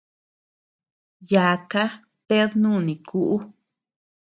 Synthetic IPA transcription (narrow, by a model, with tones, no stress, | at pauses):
ja˨ka˦ | pe˦ðnũ˦˨nĩ˨kʰu˦ʔu˦